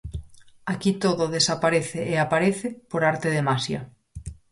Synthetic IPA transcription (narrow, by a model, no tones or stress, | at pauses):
akit̪oðoðesapaɾeθeeapaɾeθepoɾaɾt̪eð̞emasja